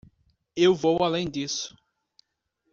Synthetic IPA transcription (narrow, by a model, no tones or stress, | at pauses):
ewvowalẽj̃d̪isʊ̥